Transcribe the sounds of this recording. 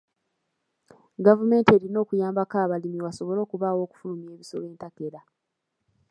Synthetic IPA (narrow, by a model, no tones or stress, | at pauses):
ɡavume̞ːnteɾino̞ːkujaːmbakaːβalimiwaso̞βo̞lo̞ːkuβaːwo̞ːku̥fulumie̞ːβiso̞le̞ːntake̞ɾa